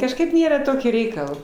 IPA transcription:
kɐʃˈkɐɪp ˈnʲeːrɐ ˈtoːkʲiː ˈrʲɛɪkɐlˠ

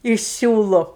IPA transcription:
ɪʃ ˈsʲuːlˠʊ

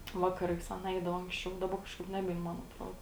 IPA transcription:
ˈʋɑːkɐˌrɐɪs ˈɑːˌnɐ ˈɛɪdɐʋɐ ɐŋksʲˈt͡ʃʲɛʊ dɐˈbɐ kɐʃˈkɐɪp ˈnʲæːbʲɛɪn ˈmɐn ɐtˈroːdoː

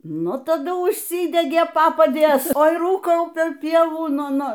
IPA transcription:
ˈnʊ tɐˈdʊ uːʃʲˈsʲiːdʲɛɡʲeː ˈpɑːpɐdʲeːs ˈoːɪ ˈruːkɐʊ pʲɛr ˈpʲiɛʋuː ˈnʊ ˈnʊ

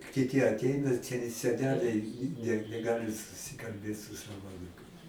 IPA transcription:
kʲɪˈtʲiː ɐtʲˈɛɪnɐ sʲɛˈnʲæːlʲɛɪ nʲɛ nʲɛˈɡɑːlʲɪ sʊsʲɪkɐlʲˈbʲeːt sʊ ˈsɑːʋoː ɐˈnuːkɐɪs

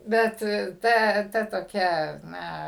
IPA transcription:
ˈbʲɛt ˈtɐ tɐ toːˈkʲɛ ˈnɐ

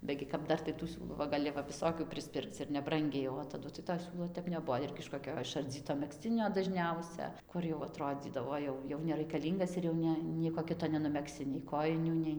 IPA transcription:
ˈbʲæːɡʲɪ kɐp ˈdɐr tɐɪ tuː ˈsʲuːlˠuː ʋɐ ɡɐˈlʲɪ ʋɐ ʋʲɪˈsoːkʲuː pʲrʲɪsʲˈpʲɪrkt͡s ɪr nʲɛˈbrɐŋʲɡʲɛɪ oː tɐˈdʊ tɐɪ toː ˈsʲuːlˠoː ˈtʲɛp nʲɛˈbuɔ ˈɪrʲɡʲɪ ɪʃ koːˈkʲoː ɪʃɐrʲˈd͡zʲiːtoː mʲɛkˈsʲt͡sʲɪnʲoː dɐʒʲˈnʲɛʊsʲɛ ˈkʊr jɛʊ ɐˈtroːd͡zʲiːdɐʋoː ˈjɛʊ jɛʊ nʲɛrʲɛɪkɐˈlʲiːŋɡɐs ɪr jɛʊ ˈnʲɛ ˈnʲiɛkoː ˈkʲɪtoː nʲɛnʊmʲɛkˈsʲɪ nʲɛɪ ˈkoːjɪnʲuː ˈnʲɛɪ

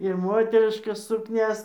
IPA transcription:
ɪr ˈmoːtʲɛrʲɪʃkɐs sʊkˈnʲɛs

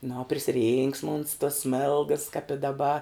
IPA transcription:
nʊ oː pʲrʲɪsʲɪˈrʲiːŋksmɐ ʊns toːs ˈsʲmʲeːlˠɡɐs kɐp ɪ dɐˈbɐ

